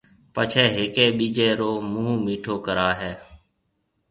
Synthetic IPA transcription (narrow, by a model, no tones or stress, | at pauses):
pət͡ʃʰɛːɦɪːkeːɓiːd͡ʒeːɾoːmũːmiːʈʰoːkəɾaːɦɛː